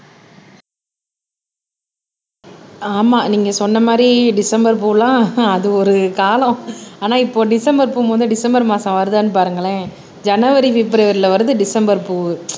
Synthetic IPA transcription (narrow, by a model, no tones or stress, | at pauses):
aːmaːniːŋɡɐsɔnːɐmaːd̪ɾiɖɪsɐmbɐɾp̬uːlãːɐðɯɔɾɯkaːlɐ̃aːnaːɪpːoːɖɪsɐmbɐɾpuːmɐːnd̪ɯɖɪsɐmbɐɾmaːsɐ̃ʋɐɾɯðaːnːɯpaːɾɯŋɡɐɭẽː | d͡ʒɐnɐʋɐɾiʋɪpːɪɾɐʋɐɾɪlɐʋɐɾɯðɯɖɪsɐmbɐɾpuːʋɯ